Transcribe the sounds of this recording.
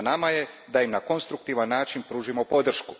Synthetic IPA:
namaje̞ | d̪aimnako̞nst̪ɾuk̚t̪iʋanːaːt͡ʃinpɾuːʒimopo̞d̪r̩ʃku̥

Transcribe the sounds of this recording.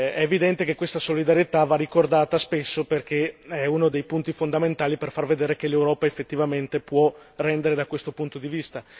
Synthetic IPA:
ɛːvid̪ɛnt̪ekekːwest̪asolid̪aɾjet̪avarːikord̪aːt̪aspesːoperkʰeɛunod̪ejpunt̪ifond̪ament̪aːliperfarved̪eːɾek̟elewɾɔːpaefːet̪ːivament̪epwɔrɛnd̪eɾed̪akwest̪opunt̪od̪ivist̪a

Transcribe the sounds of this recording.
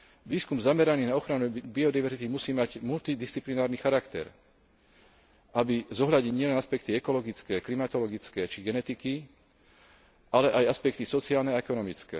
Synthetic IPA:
ʋiːskumzamɛɾaniːnaɔxɾanubiɔd̪iʋɛɾzit̪imusiːmaɟmult̪id̪ist͡siplinaːɾnixaɾakt̪ɛ̰ɾ | ʔabizɔɦʎaɟɲiɲɪɛlɛnaspɛk̚t̪iɛkɔlɔɡit͡skɛːklimat̪ɔlɔɡit͡skɛːt͡ʃiɡɛnɛt̪iki | ʔalɛʔajaspɛk̚t̪isɔt͡siaːlnɛaɛkɔnɔmit͡skɛ̰ː

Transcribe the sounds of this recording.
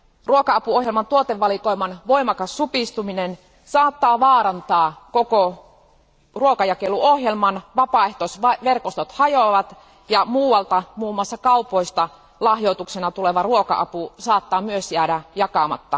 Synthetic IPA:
ruokɑɑpuohjelmɑnt̪uot̪eʋːɑlikoimɑnʋoimɑkɑsːupist̪uminen | sɑːt̪ːɑːʋɑːɾɑnt̪ɑːkoko | ruokɑjɑkelːuohjelmɑnʋɑpɑˑeht̪osʋɑʋerkost̪ot̪hɑjoʋɑt̪ | jɑmuːwɑlt̪ɑmuːmːˑoɑsːɑkɑupoist̪ɑ | lɑhjot̪uksenɑt̪uleʋɑruokɑ̰ʔɑ̰pusɑːt̪ːɑːmyøsjæːdæjɑkɑmɑ̰t̪ːɑ

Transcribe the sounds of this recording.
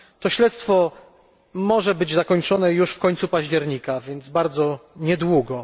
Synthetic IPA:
t̪ɔɕlɛt̪st̪fɔ | mɔʐɛbɘd͡ʑzakɔɲt͡ʂɔnɛjuʂfkɔɲʲt̪supaʑd͡ʑɛɾɲikavʲjɛnd̪zbaɾd̪zɔɲɛd̪wuɡɔ

